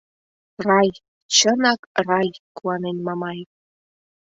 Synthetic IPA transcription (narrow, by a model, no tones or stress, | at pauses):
rɑj | t͡ɕə̆nɑkrɑjkʰuwɑnenʲmɑmɑj